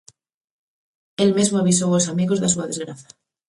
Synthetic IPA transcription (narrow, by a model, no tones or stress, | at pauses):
elmizmoaβis̬oosamiɣo̞zðasuaðe̞zɣɾaθḁ